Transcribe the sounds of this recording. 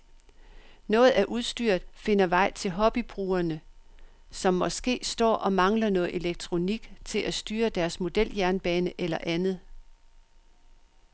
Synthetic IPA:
nɔ̽ːð̞̩ˠæɐʔuð̞̩ˠsd̥yɐ̰d̥ˠfe̝nɐʋɑ̈ɪ̰t͡sʰe̝lɦɒ̽b̥ib̥ʁuːɐnə | sɒ̽mːɒ̽sɡ̥e̝̰ːsd̥ɒ̰ːʔɒ̽mɑ̈ŋlɐnɔ̽ːð̩ˠe̝leɡ̥̚t͡sʰʁo̝niɡ̥t͡sʰe̝lʔæsd̥yːɐd̥æɐsmo̝d̥el̰jæɐnb̥ɛːnəʔelɐʔænð̞̩ˠ

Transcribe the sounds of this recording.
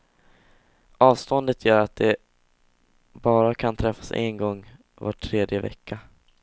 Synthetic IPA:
ʔɑːvst̪oːənd̪ət̪ʰjœːɾat̪̚d̪ɛ | bɑːɾakʰant̪ʰɾɛfːḁsɛ̰nɡɔŋː | vo̰ʈʰːɾeːd̪jəvɛ̰kːa

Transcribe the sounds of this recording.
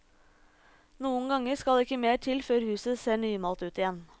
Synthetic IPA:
nuːənɡɑŋəskɑlɪkəmeːʈʰɪlføːɾəhʉːsəseːɳyːmɑːlt̪ʉːt̪ɪjɛn

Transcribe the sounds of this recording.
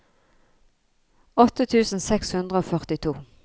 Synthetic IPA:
ɔt̪ət̪ʰʉːsn̩sɛkshʉnd̪ʁəoːfœʁt̪ɪt̪ʰuː

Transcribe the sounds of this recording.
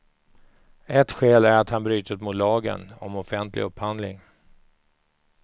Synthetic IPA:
ɛt̪ɧeːlæɾat̪hanbɾyːt̪ət̪mʊt̪lɑːɡə̰nɔ̰mɔfɛnt̪lɪ̰ɡɵpʰːhand̪lɪŋ

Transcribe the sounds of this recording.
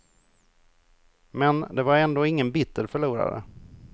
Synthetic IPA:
mɛnd̪ɛvaɾɛnd̪oːɪŋːənbɪt̪ʰːəlfœɭuːɾa̰ɾə̰

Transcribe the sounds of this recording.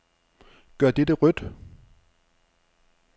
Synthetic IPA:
ɡ̥ɶɐd̥edəʁœd̥

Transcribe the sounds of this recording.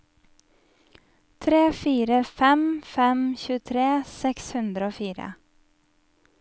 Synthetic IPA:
t̪ʰɾeːfiːɾəfɛmfɛmçʉːt̪ʰɾeːsɛkshʉnd̪ɾəoːfiːɾə̰

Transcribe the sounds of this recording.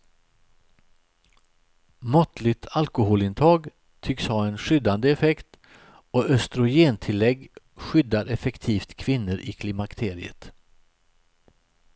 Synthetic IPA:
mɔt̪lɪt̪ʰalkʊɦoːlɪnt̪ʰɑːɡ | t̪ʰʏkshɑːɛnɧʏd̪ːand̪əɛfɛkt̪ | ɔœst̪ɾʊjeːnt̪ʰɪlːɛɡː | ɧʏd̪aɾɛfɛkt̪ʰiːft̪kʰvɪnːəɾʔɪ̰kʰlɪmakt̪ʰeːɾɪ̰ə̰t̪

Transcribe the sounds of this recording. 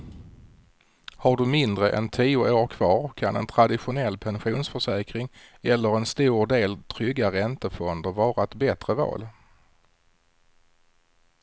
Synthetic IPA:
haɖɵmɪnd̪ɾəʔɛ̰nt̪ʰiːʊoːɾkʰv̥ɑːɾkʰanɛ̰nt̪ʰɾad̪ɪɧʊnɛlːpʰɛnɧuːnsfœʂɛːkɾɪŋɛlːəɾɛnst̪uːɾɖ̪eːlt̪ʰɾʏɡːaɾɛnt̪əfɔnd̪əɾvɑːɾaɛt̪bɛt̪ɾəvɑ̰ːl

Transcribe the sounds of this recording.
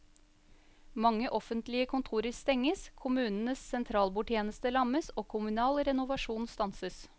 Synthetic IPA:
mɑŋːəʔɔfənt̪lɪəkʰʊnt̪ʰuːɾəɾst̪ɛŋːəskʰʊmʉːnn̩əssɛnt̪ʰɾɑːlbuːʈʰjeːnəst̪əlɑməsoːkʰʊmʉnɑːlɾɛnʊʋɑʂuːnst̪ɑnsəs

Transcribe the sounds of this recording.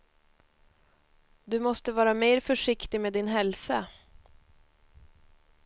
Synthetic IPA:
d̪ɵmɔst̪əvɑːɾameːɾfœʂɪkt̪ɪmeːd̪ɪnɦɛlsa

